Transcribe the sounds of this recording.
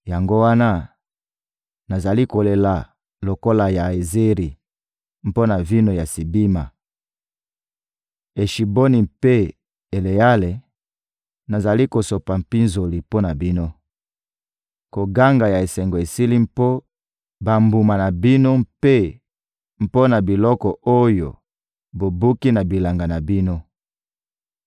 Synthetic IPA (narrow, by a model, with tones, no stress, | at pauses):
ja˨ŋɡo˦wa˦na˦ | na˨za˨li˦ko˨le˨la˨ | lo˨ko˦la˨ja˨e˨ze˦ʁi˨ | m̩˦po˦na˨vi˦no˨ja˨si˨bi˦ma˨ | e˨ʃi˨bo˦ni˨mpe˦ | e˨le˨a˦le˨ | na˨za˨li˦ko˨so˨pa˨m̩˨pi˦nzo˨li˨po˦na˨bi˦no˦ | ko˨ɡa˦ŋɡa˨ja˨e˨sɛ˨ŋɡo˨e˨si˦li˦m˦po˦ | ba˨mbu˨ma˨na˨bi˦no˦mpe˦ | m̩˨po˦na˨bi˨lɔ˦kɔ˨ʔo˦jo̰˨ | bo˨bu˦ki˦na˨bi˨la˨ŋɡa˨na˨bi˦no˦